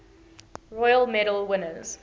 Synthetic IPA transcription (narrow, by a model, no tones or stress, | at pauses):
ɹɔjəlˠmɛɾəlˠwɪnəz̥